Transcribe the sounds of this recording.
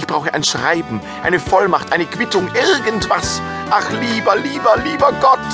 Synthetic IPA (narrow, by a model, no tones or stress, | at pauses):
ɪçb̥ʁaʊxəʔa̰ɪnʃʁ̥a̰ɪbm̩ | ʔa̰ɪnəfɔlmaχtʔaɪnəkv̥ɪtʊŋʔɪʁɡən̩tv̥as | ʔaχliːbɐliːbɐliːbɐɡɔt